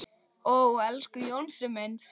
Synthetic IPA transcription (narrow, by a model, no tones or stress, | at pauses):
ɔɣuɛlskʏjownsɪmɛn